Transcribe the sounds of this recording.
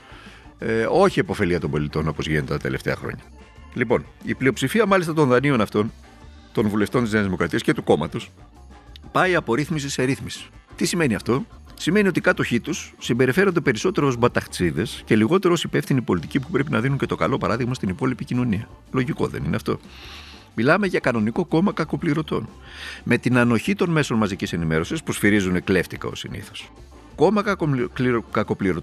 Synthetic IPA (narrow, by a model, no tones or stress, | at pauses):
o̞çiepo̞fe̞liɐt̪o̞mbo̞lit̪o̞no̞po̞zʝinet̪et̪ɐt̪e̞le̞ft̪eɐ̰xɾo̞̰ɲɐ | lipo̞̰niplio̞psifiɐmɐlist̪ɐt̪o̞nðɐnio̞nɐft̪o̞n | t̪o̞nvule̞ft̪o̞nt̪izneɐzðimo̞kɾɐt̪iɐsce̞t̪uko̞mɐt̪os | pɐiɐpo̞ɾiθmisiseɾiθmisi̥t̪isime̞niɐft̪o̞simenio̞t̪ikɐt̪o̞çit̪usːimbe̞ɾife̞ɾo̞nd̪e̞pe̞ɾiso̞t̪e̞ɾoozbɐt̪ɐxt͡siðe̞sce̞liɣo̞t̪e̞ɾoosipe̞fθinipo̞lit̪icipupɾe̞pinɐðinuɲce̞t̪okɐlo̞pɐɾɐðiɣmɐst̪inipo̞lipicino̞niɐ | lo̞ʝiko̞̰ðe̞̰nḭneɐft̪o̞̰ | milɐme̞ʝɐkɐno̞niko̞ko̞mɐkɐko̞pliɾo̞t̪o̞̰n | me̞t̪inɐno̞çit̪o̞nme̞so̞nmɐzicise̞nime̞ɾo̞sispusfiɾizune̞kle̞ft̪ikɐ̰o̞̰sḭnḭθo̥s | ko̞mɐkɐklkɐko̞pliɾo